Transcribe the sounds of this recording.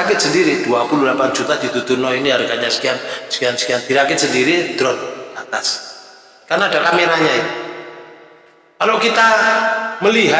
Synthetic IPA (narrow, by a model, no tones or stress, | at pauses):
akɪt̪̚səndiɾid̪̥uapululapand͡ʒut̪ad̪̥it̪ut̪unɔiniɦaɾikaɲasə̥kiansə̥kiansə̥kiand̪̥iɾakɪt̪̚səndiɾid̪̥ɾɔt̪̚at̪as | karnad̥akamiɾaɲai | kalokit̪a | məliɦa